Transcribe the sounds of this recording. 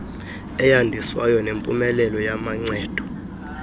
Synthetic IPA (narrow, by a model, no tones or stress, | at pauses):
ɛjandʱiswajɔnempʼumɛlɛlɔjamaŋ͡ǀɛːd̥ʱɔ̥